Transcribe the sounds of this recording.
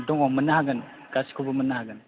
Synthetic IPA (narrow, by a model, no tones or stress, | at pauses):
dɔŋɔmɯnahaɡɯn | ɡasi̥kʰobɯmənahaɡɯn